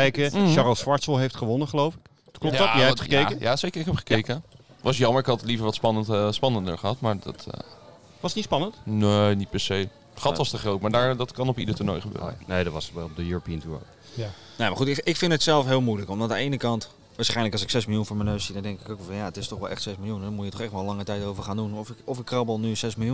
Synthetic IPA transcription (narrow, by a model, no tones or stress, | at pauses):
ɛjkəʃɑrolˠsʋɑɹtsəlˠɦejftχəʋɔnəχəlowfɪ̥k | klpjjɛtχəkejjaːsejkəɹɪkɦɛpχə̥kjkə | ʋɑsjɑməɹɪkɦɑtlivəɹʋɑtspɑnəspɑnəndə̰ɹχəɦɑtmaːɹdɑ̰t | ʋɑsətnitspɑnəntnenit̚pɛɹsej | χɑtʋɑstəχrowtmaːɹdaɹdɑtkɑnɔpidəɹtuɹnojχəbø̰ːə̰nejdɑtʋɑsbɛɔpdəjuɹopiəntuɹno̰j | nejmaχutɪkfɪndətsɛlˠfɦɪːlˠmujləkɔmdɔtdəejnəkɑnt | ʋaːɹsχɛjnləkɑlˠsɪksɛsmɪlˠjunfʊːɹmənøɥsidɑndɛŋkɪ̥kowkʋɛlˠfɑnjaətɪstɔχʋɛlˠɛ̰χtsɛsmɪlˠjunɛdɔnmujətːɔχɛχtʋɛlˠlɑŋətɛjtowvəɹχaːndunɔfɔfɪkːrɑblˠnysɛsmɪlˠju